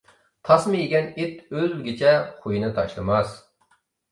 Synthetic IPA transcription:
t̪ʰɑsmɨjeɡʲɛnit̪ølɡʲit͡ʃʰɛχujinɨt̪ʰɑʃlˠɨmɑs

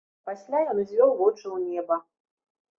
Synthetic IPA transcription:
pasʲlʲajɔnzʲvʲɔwvɔt͡ʂɨwnʲɛbɐ

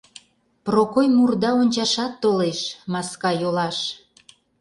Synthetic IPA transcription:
prokojmurd̪ɑonʲt͡ɕɑʃɑt̪ːoleʃmɑskɑjolɑʃ

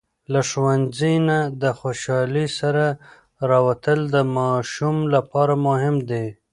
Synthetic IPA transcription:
laʂwanzinad̪əxoʃɑlisaɾa | ɾɑwat̪əld̪əmɑʃumlapɑɾamʊɦɪmd̪e

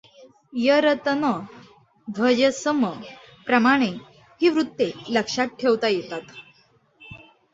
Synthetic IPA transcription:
jəɾət̪ənə | d̪ʱəd͡ʑəsəmə | pɾəmaɽ̃e | hiːʋɾut̪ːeləkʂat̪̚ʈʰeʋt̪ajet̪at̪

